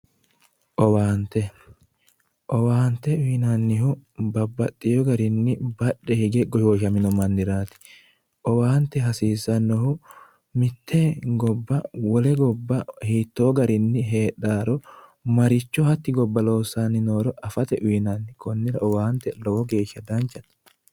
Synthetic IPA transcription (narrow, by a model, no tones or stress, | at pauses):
ʔɔwaːnt̪ɛ | ʔɔwaːnt̪ːɛʊːnanːɪhʊbɐbːɐt̪ʼːɪjɔɡɐɾɪnːɪbɐɗːɛhɪɡɛɡɔjoːʃɐmɪnɔmɐnːɪɾaːt̪ɪ̥ | ʔɔwaːnt̪ːɛɦɐsiːsːɐnːɔhʊ | mɪt̪ʰːeɡɔbːɐwɔlɛɡɔbːɐhiːt̪ːoːɡɐɾɪnːɪɦe̞ːᶑaːɾɔmɐɾɪt͡ʃːɔhɐt̪ːɪɡɔbːɐloːsːanːɪnoːɾɔʔɐfɐt̪ɛʔʊinanːɪkɔnːɪɾɐʔɔwaːhnt̪ɛlɔwɔɡe̞ːʃːɐd̪ɐnt͡ʃːɐt̪